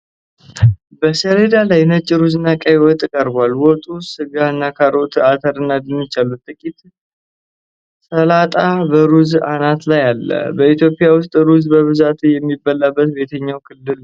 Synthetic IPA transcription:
bəsəɾe̞d̪alajnət͡ʃʼːɪɾuzɨnːakʼajwɔt̪ʼːkʼəɾbalwɔt̪ʼusɨɡaɨnːakʰaɾʔo̞t̪ʰat̪ʰəɾɨnːad̪ɨnɨt͡ʃalut̪t̪ʼɨkʼit̪ | səlat̪ʼabəɾuzanat̪lajalːə̰bəit̪jo̞pʼijawʊst̪ʼɾuzbəβɨzat̪jɛmːibːəlːabːət̪be̞t̪ʰəɲːawkʰɨlːɨl

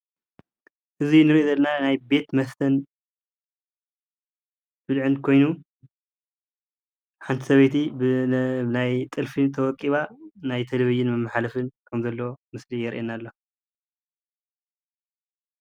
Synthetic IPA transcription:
ʔɨzinɨɾozɐlnanajbe̞t̪mɐst̪ʰɐn | b̥ɨd̪ʕɨnkʰo̞jnu | ħant̪ʰi̥sɐβet̪i | najt̪ʼɨlfit̪ʰɐwɔkʼːiβanajt̪ʰeleβid͡ʒɪnmɐmːaħalɐfɨnkʰɐmzɐlːɐwomɨslijɛɾʔenalːo̞

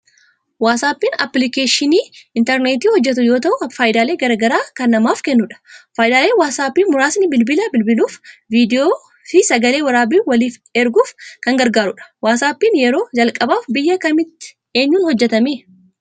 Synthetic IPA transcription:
waːsaːpːiːnɐ̰plɪkeːʃɪniːɪnt̪ɛɾneːt̪iːhɔd͡ʒːɛt̪̬ʊjo̞ːt̪ɐʔʊfaːjɪd̪aːle̞ːɡɐɾɐɡɐɾaːkɐnːɐmaːfkɛnːʊᶑɐ̥faːjɪd̪aːle̞ːwaːsaːpːiːnmʊɾaːsnɪbɪlbɪlɐbɪlbɪluːfviːd̪ɪoː | fɪsɐɡɐleːwɐɾaːbiːwɐliːfɛɾɡuːfkɐŋɡɐɾɡaːɾʊᶑɐ̥waːsaːpːiːnjɛɾo̞ːd͡ʒɐlkʼɐbaːfbɪjːɐkɐmɪt̪ːɪ̥ | e̞ːɲːuːnhɔd͡ʒːɛt̪ɐmeː

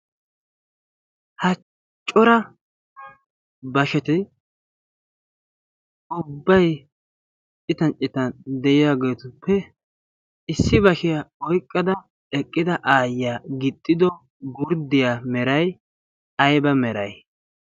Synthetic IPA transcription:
hɐ | t͡ʃʼːɔɾɐ | bɐʃɛt̪ɪ | ʊbːɐj | t͡ʃʼɪt̪ɐnt͡ʃʼɪt̪ɐnd̪ɛʔɪjaɡeːt̪ʊpːɛ | ɪsːɪbɐʃɪjaɔjkʼːɐd̪ɐ | ɛkʼːɪd̪ɐʔaːjːaːɡɪt̪ʼːɪd̪ɔ | ɡʊɾd̪ɪjamɛɾɐj | ɐjbɐmɛɾɐj

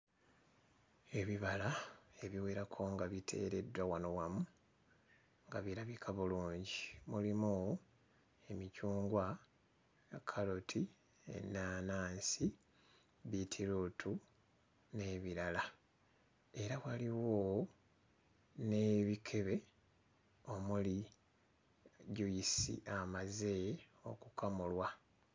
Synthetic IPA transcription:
e̞βiβalae̞βiweɾakʰo̞ŋɡaβitʰe̞̰ːɾe̞dːwawano̞wamu | ŋɡaβiɾaβikʰaβuluːɲɟimulimu | e̞micuːŋɡwa | kʰalotʰi | ḛnːaːnaːnsi | βitʰiɾutʰu | ne̞ːβiɾala | e̞ɾaβwaliwo | ne̞βikʰe̞βe̞ | o̞muli | ɟujisḭʔamaze | o̞̰kukamulwa

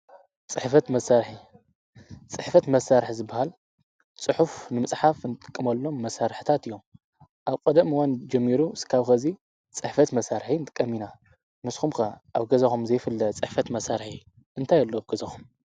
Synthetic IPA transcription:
t͡sʼɨħfɐt̪mɐsaɾħi | t͡sʼɨħfɐt̪mɐsːaɾħizɨbːahal | t͡sʼɨħufnɨmɨt͡sʼħafnɨt̪ʼɨ̥kʼːɨmɐlːo̞mːɐsaɾħɨt̪ʰat̪ɨjːo̞m | ʔaβkʼɐd̪ɐmwand͡ʒɐmːiɾuskʰaβxɐzi | t͡sʼɨħfɐt̪mɐsaɾħint̪ɨ̥kʼːɐmina | mɨsxumkʰɐʔaβɡɐzɐxumzɐjfɨlːɐt͡sʼɨħfɐt̪mɐsaɾħi | ʔɨnt̪ʰajɐlːoaβɡɐzɐxum

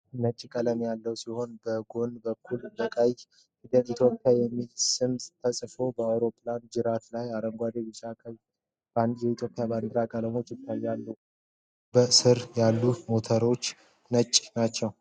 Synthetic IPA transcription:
nət͡ʃʼːkʼələmjalːəwsiho̞nbəɡo̞nbəkʰːulbəkʼaj | hid̪əlit̪ʰjo̞pʼːjajɛmːilsɨmst̪ʰəsʼfo̞bəawɾo̞pʰʼːland͡ʒɨɾat̪lajaɾəŋɡʷad̪ebɪʃakʼəj | bajɛit̪ʰjo̞pʼjaband̪ɾakʼələmo̞t͡ʃːɪt̪ʰːajːalːəw | bəsɨɾjalːumo̞t̪ʰəɾo̞t͡ʃː | nət͡ʃʼːnat͡ʃːɛw

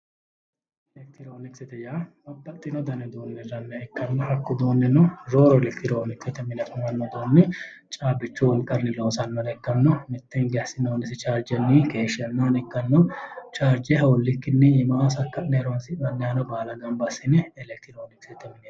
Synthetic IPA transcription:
ɛlɛk̚t̪ɪɾoːnɪksɪt̪ɛjaːbɐbːɐt̪ʼːɪnɔd̪ɐnɛd̪oːnːɛrɐnːɛɛkːɐnːɔhɐkːʊd̪oːnːɛnɔɾoːɾɔlɛkt̪ɪɾoːnɪksɛt̪ɛmɪnɐtʊmɐnːɔd̪oːnːɛ | t͡ʃʼaːbɪt͡ʃːʊwɔlkʼɐnːɪloːsɐnːɔnɛkːɐnːɔmɪt̪ːɛŋɡɛɐsɪnoːnɪsɪt͡ʃaːɾd͡ʒɐnːikeːʃɛnːaːnɛkːɐnːɔt͡ʃaːɾd͡ʒɛhɐwɔlːɪkːɪnːɪjɪmɐasɐkːɐʔnɛɾonsɪmɐnːɛhɐnɔbaːlɐɡɐmbɐsɪnɛɛlɛk̚t̪ɪɾoːnɪksɪt̪ɛmɪnɛ

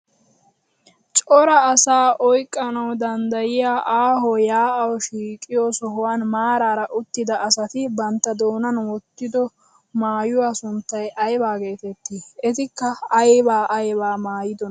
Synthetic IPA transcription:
t͡ʃʼɔɾɐːsaːʔɔjkʼːɐnɐwd̪ɐnd̪ɐjɪjaːʔaːɦɔjaːɐwɔʃiːkʼːɪjosɔɦɔwanmaːɾaːɾɐʔʊt̪ːɪd̪ɐʔːsɐt̪ɪbɐnt̪ːɐd̪o̞ːnɐnwɔt̪ːɪd̪ɔ | maːjʊwaːsʊnt̪ːɐjʔɐjbaːɡe̞ːt̪ɛt̪ːiɛt̪ɪkːɐɐjbaːʔɐjbaːmaːjɪd̪ɔn

